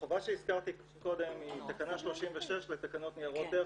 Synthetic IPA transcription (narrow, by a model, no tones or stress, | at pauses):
ovaʃeiskaʁt̪i | ko̞d̪e̞mit̪akanaʃlo̞ʃimveʃeʃlet̪akano̞t̪niaʁo̞t̪e